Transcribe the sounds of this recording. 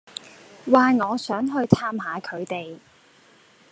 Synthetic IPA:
waː˨ŋɔː˨˧sœː˨˥ŋɦɵ˧ɥt̪ʰaː˧˥mɦaː˨˧kʰɵ˨˧ɥt̪e˨j

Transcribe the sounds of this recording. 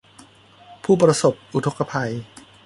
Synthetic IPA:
pʰuː˥˩pɾa˧so˨˩p̚ʔu˨t̪ʰo˦˥kːa˧pʰa˧j

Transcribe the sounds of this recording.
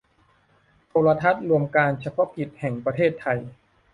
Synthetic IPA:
t̪ʰoː˧la˧t̪ʰa˦˥t̪̚ɾu˧əmkaː˧nt͡ɕʰa˧pʰɔ˦˥ki˨˩t̪̚hɛ˨˩ŋpɾa˧t̪ʰeː˥˩t̪ʰːa˧j

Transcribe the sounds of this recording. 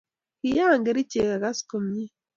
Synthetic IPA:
ki˨jaː˦˨ŋɡe˨ɾi˦ce˨ka˨ɡa˦sko˨mɲi˦

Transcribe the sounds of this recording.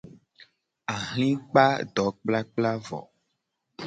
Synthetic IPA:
a˨ɦl̃ĩ˦k͡pa˦ɖɔ˨˦k͡pla˦k͡pla˦vɔ̰˨

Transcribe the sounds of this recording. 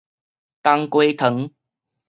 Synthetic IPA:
t̪a˦˥ŋkwe˦t̪ʰə˨˦ŋ

